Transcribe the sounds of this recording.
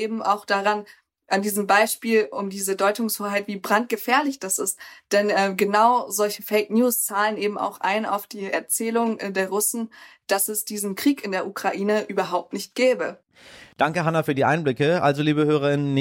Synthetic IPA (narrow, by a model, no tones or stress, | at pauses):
ʔeːbm̩a̰ʊxd̥aʁan | ʔandiːzəmbaɪʃpiːlʊmdiːzədɔʏtʊŋshoːɐɦaɪtv̥iːbʁant̚ɡ̥əfɛːɐlɪçd̥asɪstd̥ɛnɛːɡənaʊzɔlçəfɛɪknjuːst͡saːlənʔeːbm̩a̰ʊxʔa̰ɪna̰ʊfd̥iːɛ̰ɐt͡sɛːlʊŋɛdeːɐʁʊsn̩d̥asɛsd̥iːzn̩kʁ̥iːkɪndeːɐʔukʁ̥aʔiːnəʔyːbɐɦaʊp̚tnɪçt̚ɡ̥ɛːbə | d̥aŋkəɦanafyːɐdiːʔaɪnblɪkəʔalzoliːbəhøːʁɐɪnən